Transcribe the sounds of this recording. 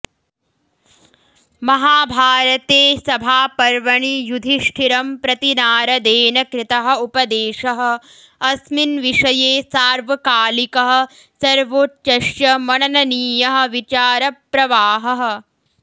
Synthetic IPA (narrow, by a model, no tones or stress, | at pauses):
mɐɦaːbʱaːɾɐt̪eːsɐbʱaːpɐɾʋɐɳijud̪ʱiʂʈʰiɾɐmpɾɐt̪inaːɾɐd̪eːnɐkɾɪt̪ɐɦɐ̆upɐd̪eːʂɐɦɐ̆ | ɐsminʋiʂɐjeːsaːɾʋɐkaːlikɐɦɐ̆ | sɐɾʋoːt̪̚t͡ʃɐʃjɐmɐɳɐnɐniːjɐɦɐ̆ʋit͡ʃaːɾɐpɾɐʋaːɦɐɦɐ̆